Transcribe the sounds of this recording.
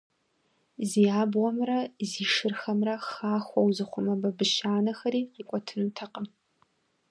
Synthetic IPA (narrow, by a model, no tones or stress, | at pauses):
ziːjaːbʁɔmrɐziːʂɨrxɐmrɐxaːxʷɔwzɨχʷʊmɐbɐbɨʃaːnɐxɐɾiːqiːkʷʼɔtʰɨnutʰɐqəm